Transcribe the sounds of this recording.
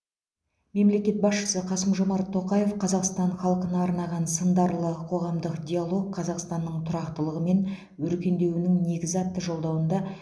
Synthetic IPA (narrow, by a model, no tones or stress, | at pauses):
me̞mle̞kʲe̞t̪̚bɑsʃə̥səqʰɑsəmʒo̞mɑɾt̪ʰːo̞qɑje̞fqʰɑzɑqst̪ɑɴχɑlˠqənɑːɾnɑʁɑnsənd̪ɑɾlˠəqʰo̞ʁɑmd̪əqd̪ʲialˠo̞k̚qʰːɑzɑqst̪ɑnːəɴt̪ʰʊɾɑqt̪əlˠəʁəme̞n | wɵɾkʲe̞nd̪e̞wɪnɪŋne̞ɡʲɪzɑt̪ːəʒo̞lˠd̪ɑwənd̪ɑ